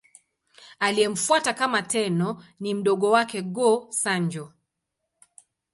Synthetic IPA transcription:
aliɛm̩fuatakamatɛnɔnim̩ɗɔɡɔwakɛɡɔsaɲd͡ʒɔ

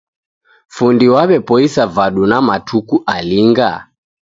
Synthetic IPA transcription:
fundiwaβɛpɔisavaɗunamatʰukuʔaliŋɡa̰

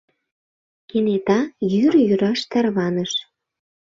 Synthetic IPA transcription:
kenet̪ɑjyɾjyɾɑʃt̪ɑrβɑnəʃ

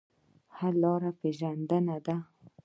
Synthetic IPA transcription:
halɑɾapeʒand̪ənad̪a

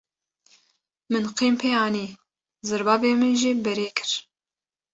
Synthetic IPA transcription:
mɨnqiːmpʰeːɑːniː | zɨɾbɑːveːmɨnʒiːbɛɾeːkʰɨ̥ɾ

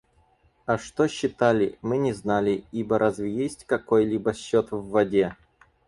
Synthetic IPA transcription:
ɐʂt̪oɕːɪt̪alʲɪmɨnʲɪznalʲɪibəɾʔazvʲɪjesʲtʲkɐko̞jlʲibəɕːot̪vːɐdʲe

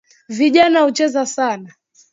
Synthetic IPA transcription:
viʄanahut͡ʃɛzasana

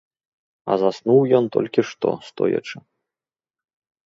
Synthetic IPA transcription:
ɐ̰zasnuwjɔnt̪ɔlʲkʲiʂt̪ɔ̰st̪ɔjɐ̰t͡ʂɨ

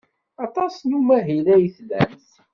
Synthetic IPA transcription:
ɑt̪ˤɑsnumæɦilæjəθlæ̰mθ

